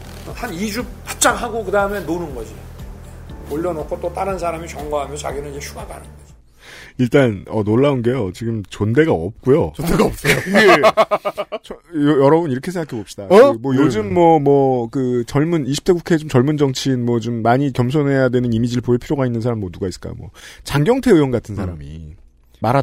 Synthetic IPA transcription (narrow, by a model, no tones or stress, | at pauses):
hanid͡ʑupat͡ɕ͈aŋɦaɡokɯdaɯme̞nonɯnɡʌd͡ʑi | oɭʎːjʌnokʰot͈ot͈aɾɯnsʰaɾamit͡ɕʌŋɡoɦamjʌt͡ɕa̰ɡinɯnid͡ʑeɕʰuɡaɡa̰nɯnde | iɭt͈anʌnoɭːaunɡe̞jot͡ɕiɡɯmt͡ɕonde̞ɡaʌp̚k͈ujodeɡaps͈ | t͡ɕʰoojʌɾʌbuniɾʌkʰesʰeŋɡakʰebop̚ɕidamwʌjod͡ʑɯmːwʌmwʌkɯt͡ɕʌɭmuniɕʰi̥p̚t͈ʰeɡukʰe̞t͡ɕomt͡ɕʌɭmund͡ʑʌŋt͡ɕʰinmwʌt͡ɕomːaɲikjʌms̬ʰonɦe̞jadwe̞nɯnimid͡ʑiɾɭpʰoiɭpʰiɾjoɡainːɯnsʰaɾamːwʌnuɡais͈k͈a̰j̰mwʌ̰t͡ɕaŋɡjʌŋtʰeɯjwʌnɡatʰɯnsʰaɾamḭ | maɾa